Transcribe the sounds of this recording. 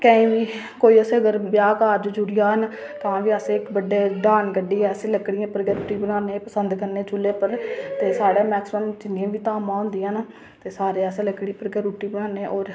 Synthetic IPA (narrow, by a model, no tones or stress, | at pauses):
kə̃ĩːʋiː | koːiːəsẽːəɡəɾbjaːkaːɾd͡ʒd͡ʒʊɽɪjaːɦən | t̪ãːʋiːəsẽːɪkbəɖeːɖaːnɡəɖiːɛːsẽːləkɽɪjãːpəɾɡeːɾuːʈiːbənaːneːpəsənd̪kəɾneːt͡ʃʊlːeːpəɾt̪eːsaːɽaːmɛːksməmd͡ʒɪnãːʋiːt̪aːmãːɦʊ̃nd̪ɪjãːn | t̪eːsaːɾeːɛːsẽːləkɽiːpəɾɡeːɾuːʈiːbənaːneːʔɔːɾ